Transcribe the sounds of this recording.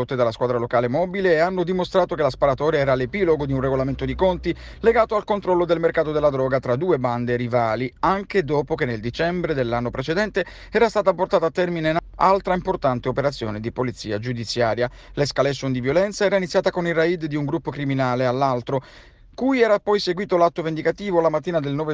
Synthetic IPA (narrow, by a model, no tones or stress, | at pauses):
ot̪ːed̪alaskwaːd̪ɾalokaːlemɔːbileːanːod̪imost̪ɾaːt̪okelaspaɾat̪ɔːɾjaɛːɾalepiːloɡod̪iunreɡolament̪od̪ikont̪i | leɡaːt̪oalkont̪ɾɔlːod̪elmerkaːt̪od̪elːad̪ɾɔːɡat̪ɾad̪uːeband̪erivaːliaŋked̪ɔːpokenːeld̪it͡ʃɛmbɾed̪elːanːopɾet͡ʃed̪ɛnt̪e | ɛːɾast̪aːt̪aport̪aːt̪aːt̪ːɛrminenalt̪ɾaimport̪ant̪eopeɾat̪sːjo̰ːned̪ipolit̪sːiːad͡ʒud̪it̪sjaːɾja | leskalesund̪ivjolɛnt̪saɛːɾainit̪sjaːt̪akonilraid̪d̪iuŋɡɾupːokɾiminaːlealːalt̪ɾo | kujɛːɾapːɔjseɡwiːt̪olat̪ːovend̪ikat̪iːvolamat̪ːiːnad̪elnɔːve